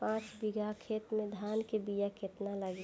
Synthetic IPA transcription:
pãːt͡ʃbiɡakʰeːt̪mẽd̪ʱaːnkebijaket̪naləɡe

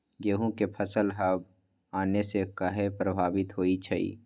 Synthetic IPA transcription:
jeːɦũkepʰəsəlɦɐb̚ | aːnesekəɦepɾəbʱaːʋɪt̪ɦoːit͡ʃʰɐḭː

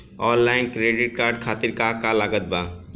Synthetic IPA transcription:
ɔːnlaːɪnkɾeːɖɪʈ̚kaːɾɖkʰaːt̪ɪɾkakalaːɡət̪̚ba

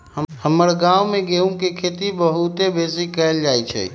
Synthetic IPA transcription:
əhəməɾɡaumeɡeũkekʰet̪ibəɦut̪ebesikəeld͡ʒajt͡ʃʰɛ̰

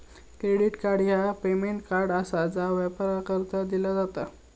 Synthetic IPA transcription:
kɾeɽiʈkaɾɖjapemeɳʈkaɾɖasad͡zaʋəpɾakəɾt̪ad̪ilad͡zat̪a

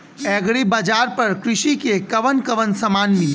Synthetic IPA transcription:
ɛːɡɽibaːd͡ʒaːɾpɐɾkɾɪʃikekɐʋənkəʋənsəmaːnmɪl

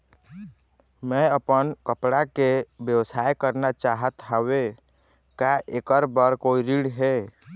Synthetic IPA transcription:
mɛ̃əpənkəpɽakebjəwsaekəɾnat͡ʃaɦət̪ɦəwe | kaʔekəɾbəɾkoiɾiɽɦe

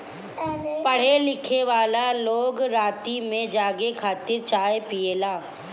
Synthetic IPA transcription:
pəɽ̤elɪkʰeʋaːlaloːɡɾaːt̪imẽd͡ʒaːɡekʰaːt̪ɪɾt͡ʃaːepieːlaː

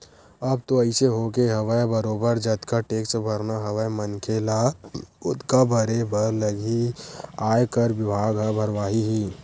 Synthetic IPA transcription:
ɐb̚t̪oɐɪseɦoːkeɦɐʋajebəɾoːbəɾd͡ʒɐt̪kaʈeːksʈbʱɐɾnaɦɐʋajmənkʰelaʊt̪kabʱəɾebʱəɾləɡiaːjkəɾʋɪbʱaːɡɦbʱəɾʋaːɦiɦiː

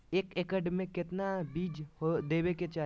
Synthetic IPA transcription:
eːkekəɖmẽkɪt̪nabiːd͡ʒhod̪eːbeket͡ʃaː

